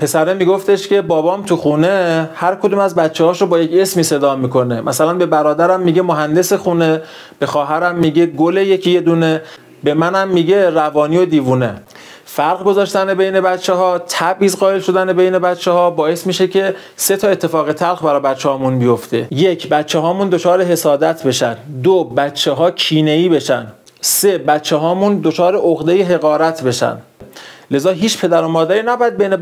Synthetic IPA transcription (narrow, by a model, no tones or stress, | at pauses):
pʰe̞sæɾemiɡo̞ft̪e̞ʃcʰe̞bɒːbɒːmt̪ʰuxuːne̞hæɾkʰod̪uːmæzbæt̪t͡ʃːehɒːʃobɒːjece̞smiːse̞d̪ɒːmiːkʰo̞ne̞mʔæsælænbe̞bæɾɒːd̪æɾæmːiːɟemoɦænd̪e̞sexuːne̞ | b̥e̞xɒːɦæɾæmːiɟeɡolejecʰijed̪uːne̞ | be̞mænæmːiːɟerævɒːniːod̪iːvuːne | fæɾɣɡo̞zɒːʃt̪ænebejne̞bæt̪t͡ʃʰːeɦɒːt̪ʰæbʔiːzɢɒːe̞lʃo̞d̪ænebe̞jne̞bæt̪t͡ʃʰːeɦɒːbɒːje̞smiːʃecʰe̞ | se̞t̪ʰɒːe̞t̪ʰːe̞fɒːɣet̪ʰælxbæɾɒːbæt̪t͡ʃʰːehɒːmunbijo̞ft̪e̞je̞cʰbæt̪t͡ʃʰːeɦɒːmuːnd̪ot͡ʃʰɒːɾeɦe̞sɒːd̪æt̪ʰbe̞ʃæ̰nd̪d̪obætt͡ʃʰːeɦɒːcʰiːne̞iːbe̞ʃæ̰nd̪ | sebæt̪t͡ʃʰːeɦɒːmund̪ot͡ʃʰɒːɾe̞ʔoɣd̪ejeɦe̞ɣɒːɾæt̪ʰbe̞ʃæ̰nd̪le̞zɒːɦiːt͡ʃpʰe̞d̪æɾo̞mɒːd̪æɾiːnæbɒːjæd̪̚bejne